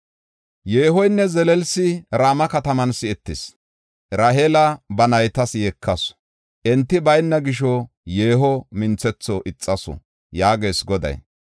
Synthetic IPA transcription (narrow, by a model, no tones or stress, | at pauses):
jeːɦɔjnːɛzɛlɛlsɪɾaːmɐkɐt̪ɐmɐnsɪɛt̪ːɪs | ɾaɦelɐbɐnɐjt̪ɐsjekʰːɐs | ʔɛnt̪ːɪbɐjnːɐɡɪʃ̬ɔ | je̞ːɦɔmɪnt͡sɛt͡sːɔʔɪt͡sʼːɐsɔ̰ | jaːɡeːsɡɔd̪ɐ̰j